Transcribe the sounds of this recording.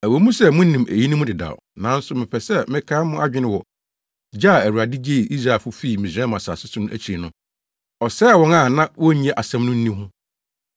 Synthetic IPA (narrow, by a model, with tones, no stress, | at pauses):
æ˨wo˨˦mũ˦sɛ˦mʊ̃˦n˦nĩ˨mʔæ̰˨ji˦nĩ˦mʊ̃˦dɪ˨da̰˨nã˨˦n̩˦sʊ˨mɪ̃˨pɛ˨sɛ˦mɪ̃˦kʰãː˦mʊ̃˦ʔa˦d͡ʑᶣɪ˦nɪ̃˦wɔ˨ | d͡ʑaː˦˨æ˨wu˨ɾa˨dɪ˦d͡ʑe˦i˨ʔi˦s̬ɾa˨ɛ˨fʊ˦fiː˦˨mĩ˨sɛ̃˦mã˨saː˨sʊ˦sʊ˦nʊ̃˦ʔæ˦t͡ɕʰi˨ɾi˨nʊ̃˦ | ɔ˨sɛ˦˨wɔ̃˦nã˦˨nã˦wɔ˦ɲ˨˦ɛ˨ʔa˨sɛ̃˦mnʊ̃˦n̩˦nĩ˦hʊ̃˦